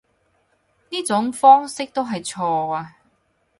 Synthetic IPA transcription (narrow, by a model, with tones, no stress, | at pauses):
niː˥t͡sʊ˨˥ŋfɔː˥ŋsɪ˥k̚t̪o˥wɦɐ˨jt͡sʰɔː˧aː˧